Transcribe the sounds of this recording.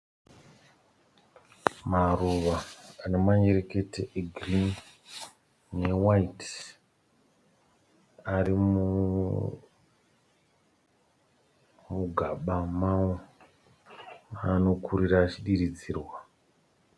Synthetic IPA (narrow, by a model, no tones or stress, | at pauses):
maruʋaːnemaɲeɾeke̞teeɡrin | newait | aɾimu | muɡʱaɓamao | ano̞kʰuɾiɾaːt͡ʃiɗiɾid͡ziːrwa